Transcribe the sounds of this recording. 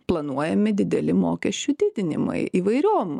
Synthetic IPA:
plˠɐnuɔjɛmʲɪd̪ʲɪd̪ʲɛlʲɪmoːkʲɛsʲt͡ʃʲʊd̪ʲɪd̪ʲɪnʲɪ̰mɐ̰ɪiːʋɐɪɾʲoːm

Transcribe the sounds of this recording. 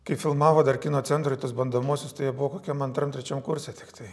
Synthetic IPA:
kɐɪfʲɪlˠmɑːʋoːd̪ɐɾkʲɪnoːt̪sʲɛnt̪ɾoɪt̪ɐsbɐnd̪oːmuɔsʲʊst̪ɐɪjɛbʊʋoːkoːkʲɛmɐnt̪ɾɐmt̪ʲɾʲɛt͡ʃʲɛmkʊɾʲsʲɛt̪ʲɪkt̪ɐɪ

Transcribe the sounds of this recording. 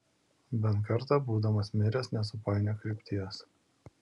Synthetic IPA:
bʲɛnˑkɐɾt̪ɑˑbuːd̪ɐmɐsmʲɪɾʲɛsnʲɛs̬ʊpɑˑɪnʲɛkɾʲɪpʲt̪ʲɪɛs

